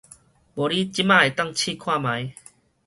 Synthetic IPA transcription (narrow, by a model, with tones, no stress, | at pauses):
bo˨˩li˦t͡ɕi˦mã˥˧˨e˨˩t̪a˥˨ŋt͡ɕʰiː˥˧˨kʰwa˥˧mã˨˦j